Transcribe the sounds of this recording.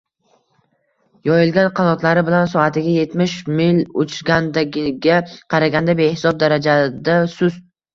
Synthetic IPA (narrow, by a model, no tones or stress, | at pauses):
jɒjɪlɡʲanqʰɑnɒt̪ʰlaɾɪbɪlansɒat̪ʰɪɡʲaje̞t̪mɪʃmɪlʊt͡ʃʰɾɡʲand̪aɡʲɪɡʲaqʰɑɾaɡʲand̪abe̞hɪsɒb̚d̪aɾad͡ʒad̪asʊz̥